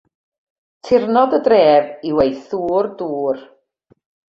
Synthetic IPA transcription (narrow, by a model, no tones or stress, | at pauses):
tʰɪrnɔdədreːviwejθuːrduːr